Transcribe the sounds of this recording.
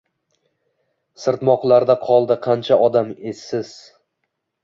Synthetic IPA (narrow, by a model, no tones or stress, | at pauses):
sɪɾt̪mɒqlˠaɾd̪aqʰɒlˠd̪ɪqʰɑnt͡ʃʰaʔɒd̪amesːɪz̥